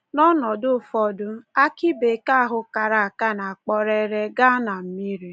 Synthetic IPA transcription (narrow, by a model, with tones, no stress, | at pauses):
nɔ˦nɔ˨dʊ˦˨fɔ˦dʊ˦a˦ki˦be˨ka˦˨ɦʊ˦ka˨ɾa˨a˨ka˦na˨a˨k͡pɔ˦ɾe˦ɾe˦ɡa˦na˨m̩˦mi˦ɾi˨